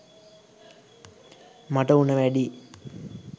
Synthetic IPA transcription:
maʈəunəʋæɖi

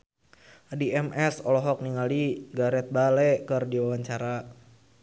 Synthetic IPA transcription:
ʔadiɛmɛsɔlɔɦɔk̚niŋaliɡaɾɛt̪̚balɛkɨrdiwawaɲt͡ʃaɾa

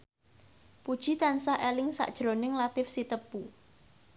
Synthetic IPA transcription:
pud̥ʒ̥i̤t̪ansahʔelɪŋsa̰ʔd̥ʒ̥ɾonɪŋlat̪ɪfsit̪əpu

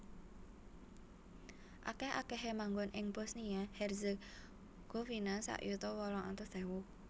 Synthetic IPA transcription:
ʔa̰kɛha̰kɛɦemaŋɡɔnʔɪŋbɔsniahɛrzə | ɡ̥ofinasa̰ʔjut̪ɔwɔlɔŋa̰nt̪ɔsd̪̥ɛwu

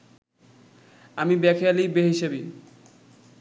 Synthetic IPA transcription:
amibɛkʰealijbeɦiʃebi

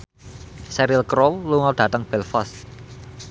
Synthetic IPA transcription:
sɛɾilkɾolluŋɔd̪̥ä̤t̪əŋb̥ɛlfɔst̪

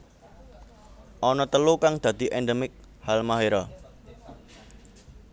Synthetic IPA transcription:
ʔɔnɔt̪əlukaŋd̪̥ä̤d̪̥i̤ʔɛnɖemɪk̚ | halmaɦeɾɔ

